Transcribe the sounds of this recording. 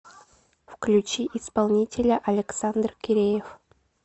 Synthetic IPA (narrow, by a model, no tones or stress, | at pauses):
fklʲʉt͡ɕiʔɪspalˠnʲitʲɪlʲəʔɐlʲɪksand̪rkʲɪɾʲejɪf